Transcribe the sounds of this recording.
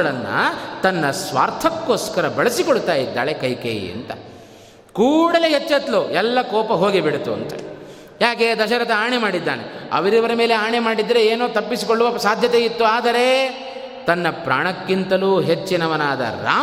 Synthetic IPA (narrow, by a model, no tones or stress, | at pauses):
ɐɭɐnːɐ̰t̪ɐnːɐsʋa̰ːɾt̪ʰɐkːoːskɐɾɐbɐɭɐsikoɭut̪aːjid̪ːa̰ːɭe̞kɐjkḛj̰ɐ̰nt̪ɐ | kuːɽɐleɦet͡ʃːɐt̪loɛlːɐkɔːpɐɦo̞ːɡibeɽut̪ːuɐ̰nt̪ɐ̰ | jaːke̞d̪ɐʃɐɾɐt̪ɐaːɳemaːɽid̪ːa̰ːneɐ̰ʋɐɾiʋɐɾɐme̞ːle̞aːɳemaːɽid̪ːɐɾeeːnoːt̪ɐpːisi̥koɭːuʋɐɐsaːd̪ʱjɐt̪eit̪ːuaːd̪ɐɾe̞ | t̪ɐnːɐpɾaːɳɐkːint̪ɐluɦet͡ʃːinɐʋɐnaːd̪ɐ̰ɾa̰ː